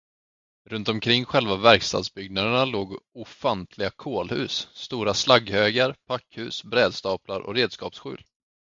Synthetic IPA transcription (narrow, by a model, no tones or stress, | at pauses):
ɾɵnt̪ɔmkʰɾɪŋːɧɛlvavæɾkst̪ɑ̰ːd̪sbʏɡ̚nad̪əɳaloːɡʊfant̪ʰlɪɡakʰoːlhʉ̟̰ːsːt̪uːɾaslaɡhøːɡaɾpʰakːhʉ̟ːsbɾɛːd̪st̪ɑːpʰlaɾʔɔ̰ɾeːd̪skɑ̰ːpsɧʉ̟ːl